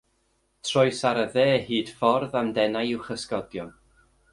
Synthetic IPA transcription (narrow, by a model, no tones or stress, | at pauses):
tʰrɔjsaɾəðeːhiːd̥fɔrðamdɛnajɪwχəskɔdjɔn